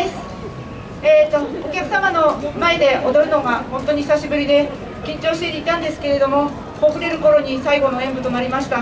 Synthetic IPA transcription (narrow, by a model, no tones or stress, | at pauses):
sɨ̥ | eːt̪ookʲakɯ̟samano̞mae̞d̪e̞od̪oɾɯ̟no̞ɡahõnt̪o̞ɲ̟içi̥saɕibɯ̟ɾʲid̪e̞ | kʲĩɲ̟t͡ɕo̞ːɕi̥t̪et̪eit̪ãnd̪e̞sɨ̥ke̞ɾe̞d̪o̞mo̞ | hokɯ̟ɾe̞ɾɯ̟ko̞ɾo̞ɲ̟isaiɡo̞no̞ẽ̞mbɯ̟t̪o̞naɾʲimaɕi̥t̪a